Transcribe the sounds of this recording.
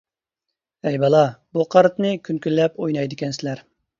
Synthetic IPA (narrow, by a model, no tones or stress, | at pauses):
ɛjbɑlˠɑbuqʰɑɾt̪nɨkʲʰynkʲylːɛpojnɑjd̪ɪkʲɛnsɪlæɾ